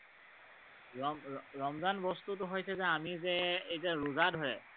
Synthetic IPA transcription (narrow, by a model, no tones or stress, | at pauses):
ɔɹɔmzanbɔstut̬ʊɦojsɛzɛamizɛejzɛɹuzadʱɔɹɛ